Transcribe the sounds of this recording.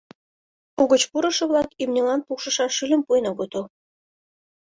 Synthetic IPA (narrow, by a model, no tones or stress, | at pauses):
uɣə̆t͡ɕpuɾə̆ʃɤ̆βlɑkimnʲelɑnpukʃə̆ʃɑʃylʲə̆mpujnɑɡot̪o